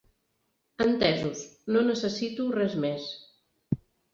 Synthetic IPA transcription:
ənt̪ɛzusnonəsəsit̪urɛzmes

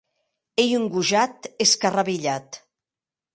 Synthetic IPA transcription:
ejuŋɡuʒat̪eskaraβiʎat̪

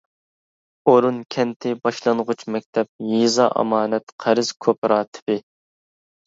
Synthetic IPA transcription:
oɾunkʲʰɛnt̪ʰɪbɑʃlˠɑnʁʊt͡ʃʰmɛk̚ʲt̪ʰɛp̚jizɑ̰ʔɑ̰mɑːnɛt̪qʰæɾɨz̥kʲʰopɾɑːt̪ʰɪ̥bɪ

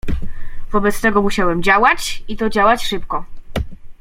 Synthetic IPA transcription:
vɔbɛt̪st̪ɛɡɔmuɕawɛmd͡ʑawat͡ɕit̪ɔd͡ʑawat͡ɕʂɘpkɔ

